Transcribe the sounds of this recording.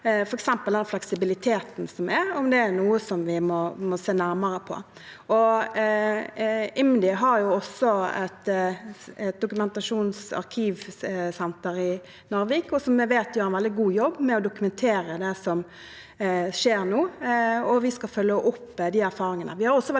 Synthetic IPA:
fɔɾɛksɛmpəld̪ɛnflɛksɪbɪlɪt̪ʰeːt̪n̩sɔmɛɾɔmd̪ɛːɾnuːəsɔmʋɪmɔmɔseːnæɾməɾəpʰɔ̰ | ʔɔ | ɪmd̪ɪɦɑɾjʊɔsːɔɛ̰t̪ | ɛt̪̚d̪ʊkʉmɛnt̪ɑʂuːnsɑ̰ʁkʰiːʋsɛnt̪əɾɪ | nɔɾʋiːkɔsɔmːɛʋeːt̪jøːɾɛnʋɛld̪ɪɡuːjɔbːmɛɔd̪ʊkʉmɛnt̪ʰeːɾəd̪ɛsɔm | ʂeːɾnuːɔʋɪskɑfœlːəʔʊpːd̪iːæɾfɑːɾɪŋənə̰ʋɪhɑɾɔsːɔʋɛ

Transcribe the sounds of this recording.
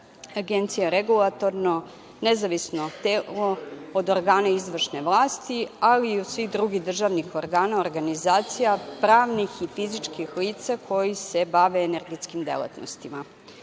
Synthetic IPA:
aɡent̪sijaɾeɡulˠat̪o̞ɾno | nezaʋisnot̪elood̪oɾɡaːnaizʋr̩ʃne̞ʋlˠaːst̪ialiːosʋixd̪ɾuɡid̪r̩ʒaʋnixoɾɡaːnaoɾɡanizaːt̪sijapɾaːʋnixifizit͡ʂkixliːt̪sakʰo̞jisebaʋe̞eneɾɡet̪skimd̪ḛlˠa̰t̪no̰st̪ima

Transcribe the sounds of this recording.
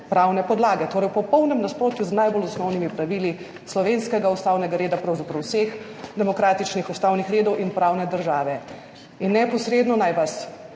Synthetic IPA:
pɾaːwnɛpɔd̪laːɡɛt̪oːɾɛjwpɔpɔwnɛmnaspɾoːt̪juznajbolɔsnɔwnimipɾaʋili | slɔʋenskɛɡaust̪aːwnɛɡaɾeːd̪apɾɐwzapɾɐwsexd̪ɛmɔkɾaːt̪it͡ʃnixust̪awnixɾeːd̪ɔwʔinpɾaːwnɛd̪əɾʒaːʋɛ | inːɛpɔsɾeːd̪nɔnajʋas

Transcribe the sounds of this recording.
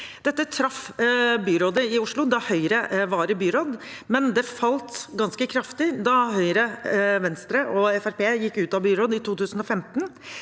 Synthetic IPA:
d̪̥ɛt̪ːət̪ʰɾɑfbyːɾoːd̪əɪʊʂɭʊd̪ɑhœʏɾəʋɑːɾəbyːɾoːd̪mɛnd̪ɛfɑlt̪ɡɑnskəkʰɾɑft̪ɪd̪ɑhœʏɾəʋɛnst̪ɾəʔɔɛfæɾpeːjɪkːʉːt̪ɑbyːɾoːd̪ɪt̪ʰuːt̪ʉːsən̩ɔfɛmt̪n

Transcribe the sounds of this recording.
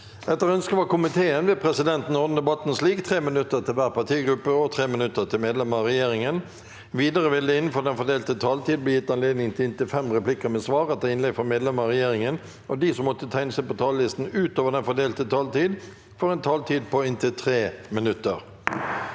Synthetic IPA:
ɛt̪ːəʁœnskəʋɑkʊmɪt̪ʰeːənʋɛːpʰʁɛsɪd̪ɛnt̪n̩ɔʁd̪n̩d̪ɛbɑt̪n̩sliːkt̪ʰʁeːmənʉt̪ːət̪ʰɪlʋæːʁpɑt̪ʰiːɡɾʉpːəɔt̪ʰʁeːmɪnʉt̪ːət̪ʰɪlmeːd̪lɛməɑʁɛjeːɾɪŋən | ʋiːd̪əʁəʋɪld̪əɪnːn̩fɔd̪ɛnfɔd̪eːlt̪ət̪ʰɑːlt̪ʰiːd̪̚blɛjɪt̪ːɑnleːd̪nɪŋt̪ʰɪlɪnt̪ɪfɛmʁɛplɪkəmɛsʋɑːʁɑt̪ʰəɪnlɛɡfɔmeːd̪lɛməɑʁɛjeːʁɪŋən | ɔd̪isɔmːɔt̪ːət̪ʰæɪnəsæɪpɔt̪ʰɑːllɪst̪n̩ʉːt̪oːʋəɖ̪ɛnfɔd̪eːlt̪ət̪ʰɑːlt̪iːd̪ | fɔʁɛnt̪ʰɑːlt̪ʰiːd̪̚pʰɔɪnt̪ɪt̪ʰʁeːmɪnʉt̪ːəʁ

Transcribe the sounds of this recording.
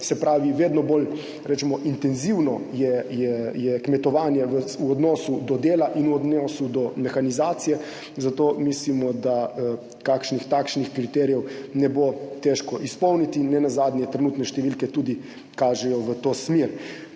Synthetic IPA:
sɛpɾaːʋiʋeːd̪nɔbol | ɾɛt͡ʃɛmɔʔint̪ɛnziwnɔjɛjɛjɛkmɛt̪ɔʋaːnjɛʋəuɔd̪nɔːsud̪ɔd̪eːlaʔinuɔd̪nɔːsud̪ɔmɛxanizaːt̪sijɛ | zat̪oːmislimɔd̪a | kakʃnixt̪akʃnixkɾit̪ɛɾijɛwnɛbot̪ɛʃkɔʔispɔwnit̪inɛnazaːd̪nʲjɛt̪ɾɛnuːt̪nɛʃt̪ɛʋilkɛt̪uːd̪i | kaːʒɛjɔʋət̪oːsmeɾ

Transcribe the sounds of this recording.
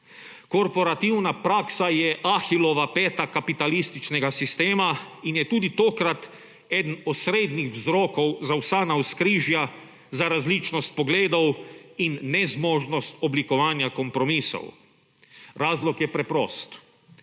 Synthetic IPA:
kɔɾpɔɾat̪iwnapɾaːksajɛʔaxilɔʋapɛːt̪akapit̪alist̪it͡ʃnɛɡasist̪eːmainjɛt̪uːd̪it̪oːkɾat̪ | ɛd̪nɔt̪sɾeːd̪nixwzɾoːkɔwzawsaːnauskɾiːʒja | zaɾazlit͡ʃnɔst̪̚pɔɡleːd̪ɔwinːɛzmɔːʒnɔst̪ɔblikɔʋaːnjakɔmpɾɔmiːso̰w | ɾaːzlɔkjɛpɾɛpɾoːst̪

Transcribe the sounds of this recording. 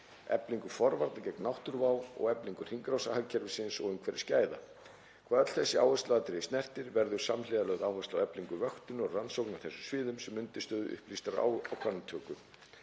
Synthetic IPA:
ɛ̰pliŋkʏfɔɾvaɾt̪nacɛknawht̪ʏɾvaːwɔ̰ɣɛpliŋkʏr̥iŋkɾawsahacʰɛɾvʏsɪnsɔ̰ɣʏmkʰvɛːɾɪ̥scaːjða̰ | kʰvaːðœt̪lθɛsːɪawhɛst̪laat̪ɾɪst̪nɛr̥t̪ɪɾvɛɾðʏɾ̥samlɪðalœːɣðawhɛst̪awɛpliŋkʏvœxt̪ʏnɔɣransowknawθɛsʏsvɪːðʏmsɛmːʏnt̪ɪst̪œːðʏʔʏ̰hplist̪aɾa̰awkʰvanat̪ʰœːkʏ

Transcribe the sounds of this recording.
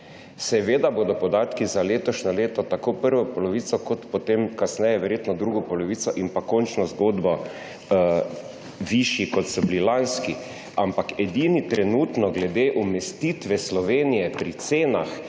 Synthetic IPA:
sɛʋeːd̪aboːd̪ɔpɔd̪aːt̪kizaleːt̪ɔʃnɔleːt̪ɔt̪akoːpəɾʋɔpɔlɔʋiːt̪sɔkɔt̪pɔt̪emkasnɛjɛʋɛɾjeːt̪nɔd̪ɾuɡɔpɔlɔʋiːt̪sɔʔimpakɔnt͡ʃnɔzɡoːd̪bɔ | ʋiʃikɔt̪sɔblilanski | ampakɛd̪init̪ɾɛnuːt̪nɔɡlɛd̪eʔumɛst̪it̪ʋɛslɔʋeːnijɛpɾit̪seːnax

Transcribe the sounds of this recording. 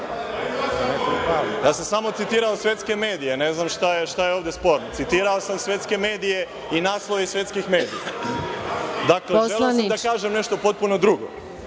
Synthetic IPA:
nekopɾajaːsamsamo̞t̪it̪iːɾaosʋje̞t̪ske̞me̞ːd̪ijene̞znamʃt̪ajeʃt̪ajeoːʋd̪espo̞ɾnot̪sit̪iɾaosamsʋe̞t̪ske̞me̞ːd̪ije̞ | inaːslˠoʋesʋʲje̞t̪skixme̞ːd̪ija̰ | d̪akleʒelasamd̪akaːʒemne̞ʃt̪o̞po̞t̪̚puno̞d̪ɾuɡo̰

